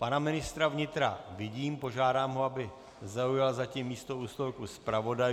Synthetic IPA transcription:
panamɪnɪst̪ɾavɲɪt̪ɾavɪɟiːmpo̞ʒaːdaːmɦoabɪ | zaujalzacimːiːst̪o̞uːst̪olkuspɾavo̞daj

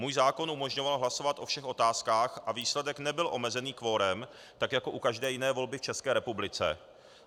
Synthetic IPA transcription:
muːjzaːko̞nʔumo̞ʒɲovalɦlasovat̪ʔo̞fʃɛxo̞t̪aːskaːxʔaviːslɛdɛknɛbɪlʔo̞mɛzɛniːkvo̞ɾɛm | t̪akjako̞ʔukaʒdɛːjɪnɛːvo̞lbɪft͡ʃɛskɛːɾɛpublɪt͡sɛ̰

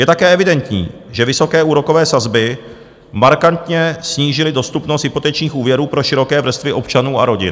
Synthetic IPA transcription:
jɛt̪akɛːɛvɪdɛnt̪ɲḭːʒɛvɪso̞kɛːuːɾo̞kovɛːsazbɪ | maɾkant̪ɲɛsɲiːʒɪlɪdo̞st̪upnost̪ɦɪpo̞t̪ɛt͡ʃɲiːxʔuːvjɛɾuːpɾo̞ʃɪɾo̞kɛːvr̩st̪vɪʔo̞pt͡ʃanuːa̰ɾo̞ɟɪ̰n

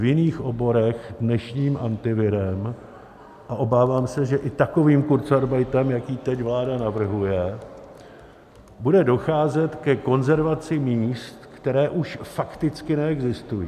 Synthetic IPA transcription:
vjɪniːxʔo̞bo̞ɾɛxdnɛʃɲiːmʔa̰nt̪ɪvɪɾɛm | ʔaʔo̞baːvaːmsɛʒɛʔɪt̪ako̞viːmkuɾt͡saɾbajt̪ɛmjakiːt̪ɛcvlaːdanavr̩ɦujɛ | budɛdo̞xaːzɛt̪kɛko̞nzɛɾvat͡sɪmiːst̪kt̪ɛɾɛːʔuʃfakt̪ɪt͡skɪnɛɛɡzɪst̪ujiː

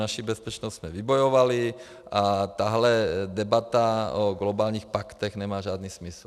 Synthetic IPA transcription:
naʃibɛspɛt͡ʃnɔsz̥mɛʋibɔjɔʋali | at̪aːɦlɛd̪ɛbat̪aɔɡlɔbaːlɲiːxpakt̪ɛɣnɛmaːʒad̪nismisl

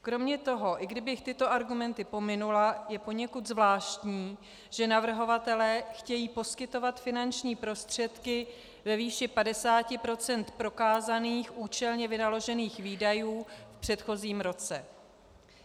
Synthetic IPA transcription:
kɾo̞mɲɛt̪o̞ɦo̞ʔɪɡdɪbɪxt̪ɪt̪o̞ʔaɾɡumɛnt̪ɪpo̞mɪnulajɛpo̞ɲɛkut̪zvlaːʃt̪ɲiː | ʒ̥ɛnavr̩ɦo̞vat̪ɛlɛːxcɛjiːpo̞skɪt̪o̞vat̪fɪnant͡ʃɲiːpɾo̞st̪r̝̥ɛt̪kɪ | vɛviːʃɪpadɛsaːcɪpɾo̞t͡sɛnt̪pɾo̞kaːzaniːxʔuːt͡ʃɛlɲɛvɪnalo̞ʒɛniːxviːdajuːfpr̝̥ɛt̪xo̞ziːmɾo̞t͡sɛ

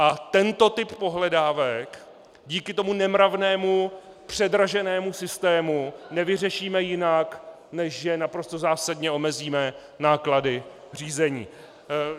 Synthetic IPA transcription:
ʔat̪ɛnt̪o̞t̪ɪpːo̞ɦlɛdaːvɛk | ɟiːkɪt̪o̞munɛmɾavnɛːmu | pr̝̥ɛdɾaʒɛnɛːmusɪst̪ɛːmunɛvɪrɛʃiːmɛjɪnak | nɛʃʒɛnapɾo̞st̪ozaːsadɲɛʔo̞mɛziːmɛ | naːkladɪ | r̝iːzɛɲḭː

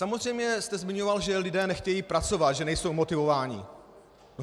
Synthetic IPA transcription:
samozrɛjmɲɛst̪ɛzmɪɲovalʒɛlɪdɛːnɛxcɛjiːpɾat͡so̞vat̪ʒɛnɛjso̞wmot̪ɪvo̞vaːɲɪ̰

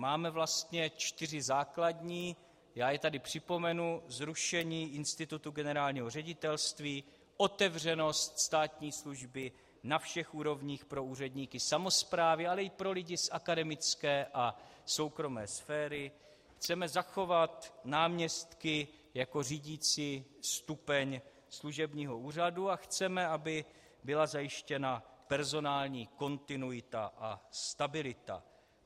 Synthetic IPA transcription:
maːmɛvlast̪ɲɛt͡ʃt̪ɪr̝ɪzaːkladɲiː | jaːjɛt̪adɪpr̝̥ɪpo̞mɛnuzɾuʃɛɲiːʔɪnst̪ɪt̪ut̪uɡɛnɛɾaːlɲiːɦo̞rɛɟɪt̪ɛlst̪viː | ʔo̞t̪ɛvr̝ɛno̞st̪st̪aːt̪ɲiːsluʒbɪ | nafʃɛxʔuːɾo̞vɲiːxpɾo̞uːr̝ɛdɲiːkɪsamo̞spɾaːvɪalɛɪpɾo̞lɪɟɪsʔakadɛmɪt͡skɛːʔaso̞wkɾo̞mɛːsfɛːɾɪ | xt͡sɛmɛzaxo̞vat̪naːmɲɛst̪kɪ | jako̞riːɟiːt͡sist̪upɛɲ | sluʒɛbɲiːɦo̞uːr̝aduaxt͡sɛmɛabɪ | bɪlazajɪʃcɛnapɛɾzo̞naːlɲiːko̞nt̪ɪnujɪt̪aʔast̪abɪlɪt̪a̰

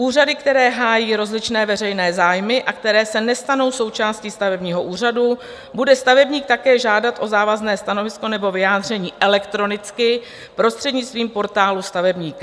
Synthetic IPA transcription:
ʔuːradɪkt̪ɛɾɛːɦaːjiːɾo̞zlɪt͡ʃnɛːvɛrɛjnɛːzaːjmɪʔak̚t̪ɛɾɛːsɛnɛst̪ano̞wso̞wt͡ʃaːsciːst̪avɛbɲiːɦo̞ʔuːr̝adu | budɛst̪avɛbɲiːk̚t̪akɛːʒaːdat̪ʔo̞zaːvaznɛːst̪ano̞vɪsko̞nɛbo̞vɪjaːd̪r̝ɛɲiːʔɛlɛkt̪ɾo̞nɪt͡skɪ | pɾo̞st̪r̥ɛdɲɪt͡st̪viːmpo̞ɾt̪aːlust̪avɛbɲiːk

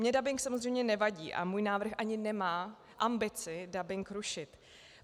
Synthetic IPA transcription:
mɲɛdabɪŋksamo̞zrɛjmɲɛnɛvaɟḭːʔa̰muːjnaːvr̩xʔaɲɪnɛmaː | ʔambɪt͡sɪdabɪŋkɾuʃɪt̪

